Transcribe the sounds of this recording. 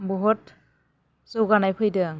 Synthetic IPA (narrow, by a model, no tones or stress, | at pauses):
bɦɔt | sɔwɡanajpʰɯjdɯŋ